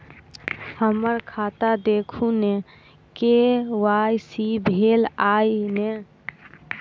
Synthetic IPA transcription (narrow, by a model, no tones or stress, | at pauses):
həməɾkʰat̪ad̪ekʰune | kewajsibʱelajne